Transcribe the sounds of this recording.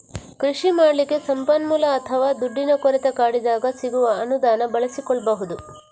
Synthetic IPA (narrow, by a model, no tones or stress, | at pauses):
kɾiʂimaːɽlikːe̞sɐmpɐnmulɐːt̪ʰɐʋaːd̪uɖːinɐkoɾit̪ekaːɽid̪aːɡɐsiɡuʋɐɐnud̪aːnɐbɐɭisikɔɭɐbɐɦud̪u